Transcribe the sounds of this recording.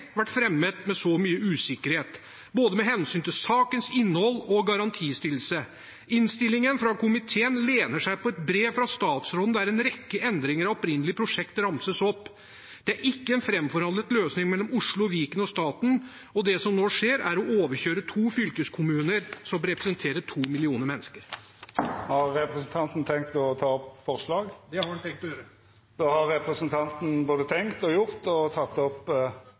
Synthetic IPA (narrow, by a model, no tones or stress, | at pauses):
ʋæʈːfɾɛmːət̪mɛsɔmyːəʉːsɪkːəɾheːt̪ | boːd̪əmɛɦɛnsyːnt̪ɪlsɑːkənsɪnːəhɔlːɔɡɑɾɑnt̪ʰiːst̪ɪlːsə | ɪnst̪ɪlːɪŋənfɾɑkʰʊmɪt̪ʰeːənleːnəʂæɪpʰɔɛt̪bɾeːʋfɾɑst̪ɑːt̪sɾɔd̪nd̪æɾɛnɾɛkːəʔɛnd̪ɾɪŋəɾɑɔpɾɪnːəlɪəpʰɾʊʂɛkt̪ɾɑmsəsɔpː | d̪̥ɛæɾʔɪkːəɛnfɾɛmfɔɾɑnd̪ət̪løːsnɪŋmɛlːɔmʊʂɭʊɔʋiːkənɔst̪ɑːt̪n̩ | ɔd̪ɛsɔmnoːʂeːɾæɾɔʔoːʋəçøːɾət̪ʰuːfʏlkəskʰʊmʉːnəɾsɔmɾɛpɾəsənt̪ʰeːɾəʈʰuːmɪlɪuːnəɾmɛnːəskəɾ | hɑʁɛpʁɛsn̩t̪ʰɑnt̪n̩t̪ʰɛŋk̚t̪ɔt̪ʰɑːɔpfɔʁslɑːɡd̪ɛɑɾɛnt̪ʰɛŋk̚t̪ɔjøːɾə | d̪̥oːhɑɾːɛpʁɛsənt̪ʰɑnt̪n̩boːd̪ət̪ʰɛŋkt̪ɔjʊʁt̪ɔt̪ʰɑt̪ːɔp